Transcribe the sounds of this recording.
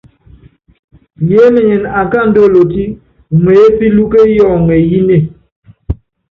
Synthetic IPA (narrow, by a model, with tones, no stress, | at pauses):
je˨˦me˨ɲe˨na˨ŋ˨ka˦˨n̩˦do˦˨lo˨ti˦ | ŋwe˨e˦pi˦lu˦ke˦jɔ˦˨ŋɛ˨ji˦ne˦˨